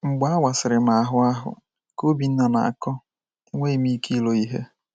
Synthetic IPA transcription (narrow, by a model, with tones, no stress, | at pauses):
ŋ͡m̩˨ɡ͡ba˦a˦wa˨sɪ˨ɾɪ˨m̩a˨a˨ɦʊ˦a˦ɦʊ̰˨ | ko˦bi˨n̩˦nɔ˨na̰˨a̰˨kɔ˦ | i˦ŋʷe˦i˨mi˦ki˦lo˨i˦ɦe˦